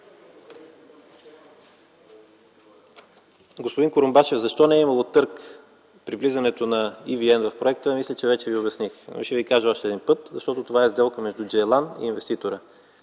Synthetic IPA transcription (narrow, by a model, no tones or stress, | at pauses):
ɡospodiŋkoɾombaʃɛvzɐʃt̪ɔnɛɛimɐlˠot̪ɤɾk | pɾivlizɐnɛt̪onɐiviɛnvɐfpɾoɛkt̪əmislʲət͡ʃɛvɛt͡ʃɛviobɛsnixʃɛvikaʒəɔʃt̪ɛːd̪inpɤt̪zɐʃt̪ɔt̪ot̪ovaɛzd̪ɛlˠkəmɛʒd̪ʊd͡ʒɛlˠanḭːnvɛst̪it̪oɾə